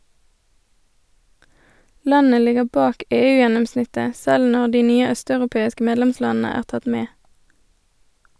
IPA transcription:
ˈlɑnə ˈlɪɡə ˈbɑːk ˈeːˌʉːjɛnʊmˌsnɪtə ˈsɛl ˈnɔʁ ˈdiː ˈnyːə ˈœstɑʉʁʊˌpeːɪskə ˈmeːdlɛmˌslɑːn̩ə ˈæːʁ ˈtɑt ˈmeː

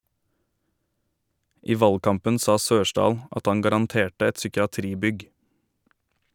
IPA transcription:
ˈiː ˈʋɑlɡˌkɑmpən ˈsɑː ˈsøːʃɖɑːl ˈʔɑt ˈɑŋ ɡɑɾɑnˈteːʈə ˈɛt sʏkɪɑˈtɾiːˌbʏɡ

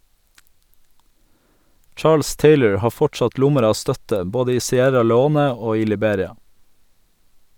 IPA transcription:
ˈʈʃɑːls ˈteɪləɹ ˈhɑː ˈfɔʈsɑt ˈlʊməɾ ˈɑː ˈstœtə ˈboːdə ˈiː sɪˈæɾɑ lɛˈoːnə ˈoː ˈiː lɪˈbeːɾɪɑ

